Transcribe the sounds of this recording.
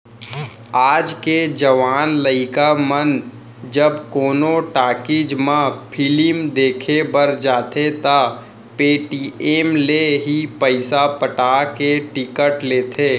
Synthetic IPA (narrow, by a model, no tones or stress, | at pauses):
aːd͡ʒked͡ʒəʋaːnləɪkamən | d͡ʒəbkoːnoʈaːkɪd͡ʒmãpʰɪlɪmd̪eːkʰebəɾd͡ʒaːt̪et̪a | peːʈiːeːmleɦipəɪsapəʈaːkeʈɪkəʈleːt̪ʰeː